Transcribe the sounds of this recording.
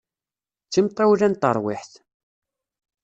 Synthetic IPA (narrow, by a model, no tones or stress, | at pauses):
t͡sːimt̪ˤːawlænt̪ə̰ɾˤwɪ̰ħθ